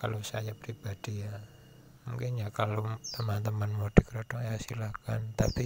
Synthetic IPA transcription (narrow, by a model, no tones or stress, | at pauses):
kalosajapɾib̥ad̥ija | muŋkinɲakalot̪əmant̪əmanmod̥i̤kɾɔd̥ɔŋjasilakant̪api